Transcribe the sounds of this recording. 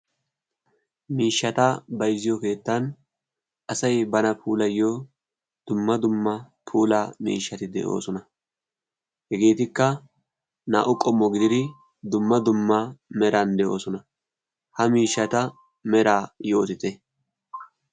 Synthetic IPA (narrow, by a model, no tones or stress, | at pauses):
miːʃːɐt̪ɐbɐjzːɪjɔke̞ːt̪ːɐn | ʔɐsɐjbɐnɐpʰuːlɐjːoː | d̪̥ʊmːɐd̪ʊmːɐ | pʰuːlaːmḭːʃːɐt̪ɪd̪ɛ̰ʔo̞̰ːsɔnɐ | hɛɡe̞ːt̪ɪkːɐ | na̰ːʔʊkʼɔmːɔɡɪd̪ɪd̪ɪ | d̪ʊmːɐd̪ʊmːɐmɛɾɐnd̪ɛʔo̞̰ːsɔnɐ | hɐmiːʃːɐt̪ɐ | mɛɾaːjo̞ːt̪ɪt̪ɛ